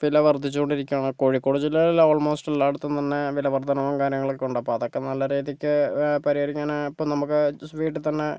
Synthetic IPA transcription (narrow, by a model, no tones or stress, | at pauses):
ʋilɐʋɐrd̪ʱit͡ɕːukoɳɖiɾikʲːuaːɳko̞ːɻikːoːud͡ʑilɐloːɭmo̞ːsʈilːaːɽut̪ːunt̪ɐnːe̞ʋilɐʋɐrd̪ʱɐnɐʋumkaːɾjɐŋːɐɭilkuɳɖɐpːoːɐðokːe̞nɐlːɐɾeːðikʲːɨpɐɾiɐɾikʲːaːnaipːoːnɐmukːɨsʋiːʈːɨt̪ɐnːe̞